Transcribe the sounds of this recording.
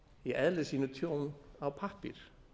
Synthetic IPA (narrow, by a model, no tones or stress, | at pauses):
iʔɛðlɪsiːnʏt̪ʰjownawpʰahpḭɾ̥